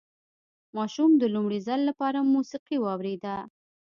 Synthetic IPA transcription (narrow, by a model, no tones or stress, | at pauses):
mɑʃumd̪əlumɽizalːapɑɾamusiqiwɑwɾed̪a